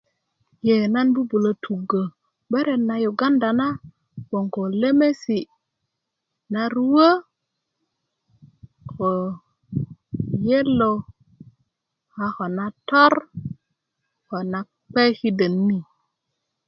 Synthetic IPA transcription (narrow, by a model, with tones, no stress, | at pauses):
je˨na˦nbu˦bu˨lo˨tʰu˨ɡə˨ | ɓe˦ɾe˨nːa˨ju˨ɡa˦nda˨na˦ | bo˨ŋko˨le˦me˦si˨ | na˦ɾu˦wə˦ | ko˨ | je˦lːo˨ | ha˨xo˨na˦to˦ɾ | ko˨na˨ | k͡pe˦hi˦də˨nːi˦